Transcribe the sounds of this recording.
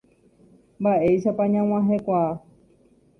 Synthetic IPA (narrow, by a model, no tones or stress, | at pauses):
mbaʔe̞jʃapãɲãw̃ãɦekʷaː